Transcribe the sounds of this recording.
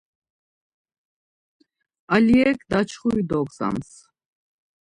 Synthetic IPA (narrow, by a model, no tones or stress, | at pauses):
aliɛkd̪at͡ʃʰχuid̪ɔɡza̰ms